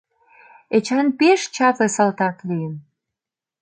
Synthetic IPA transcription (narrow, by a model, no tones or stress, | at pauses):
et͡ɕɑnpeʃt͡ɕɑpə̆sɑlt̪ɑt̪lijən